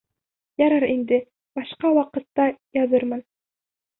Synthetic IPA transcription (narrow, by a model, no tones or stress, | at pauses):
jɑɾɑɾind̪ɘ | bɑʃqɑwɑqɤ̆t̪ːɑjɑðɤɾmɤn